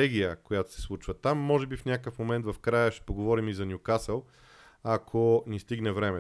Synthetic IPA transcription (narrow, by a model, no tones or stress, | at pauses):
ɛɡʲijəkojat̪o̥sɛ̥slˠut͡ʃvət̪amːɔʒɛbifnʲakəfmomɛnt̪vɐfkɾajəʃɛ̥poɡovɔɾimizɐnʲjʊkasəlˠ | akʰonist̪iɡnɛvɾɛmɛ